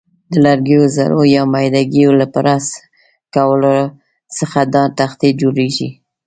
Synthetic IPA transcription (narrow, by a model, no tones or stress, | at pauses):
d̪əlaɾɡejoza̰ɾojɑmajd̪aɡijolapəɾas | kawəlo | səxad̪ɑt̪axt̪ed͡ʒoɾeʒḭ